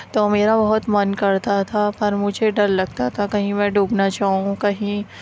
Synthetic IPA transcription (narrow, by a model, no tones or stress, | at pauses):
t̪oːmeːɾabɐɦʊt̪mɐnkɐɾt̪at̪ʰapɐɾmʊd͡ʒʱeɖɐɾlɐɡt̪at̪ʰakɐɦĩmɛ̃ːɖʱuːbnat͡ʃaːɦũkɐɦĩ